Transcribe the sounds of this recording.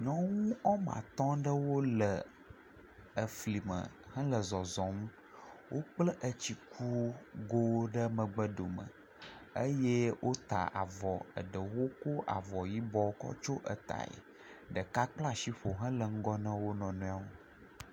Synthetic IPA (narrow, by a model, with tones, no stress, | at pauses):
ɲɔ̃˦ŋũ˦ɔ˦mã̰˨t̪ɔ̃˦ɖə˦wo˦lə˨ | ə˨fli˨mə̰˨ | hə̃˦lə˨zɔ˨zɔ̃˨mũ˦ | wʔo˦k͡plə˦ʔə˦t͡ɕi˨kʰu˦ɡo˦wo˦ɖə˦mə̃˨ɡ͡bə˦ɖo˨mə̰̃˨ | ə˦je˦wʔo˦t̪a̰˨ʔa̰˨vɔ˨ə̰˨ɖə˨wo˦ko˦ʔa̰˨vɔ˨ji˦bɔ˦kɔ̰˦t͡ʃo˦ʔə̰˨t̪a̰˨ḛ˨ | ɖə˨ka˦k͡pla˦ʃi˦ɸo˨ɦə̃˦lə˨ŋ̩˦ɡɔ˦nə̃˦wo˦nɔ̃˨nũ˦a˨wo˦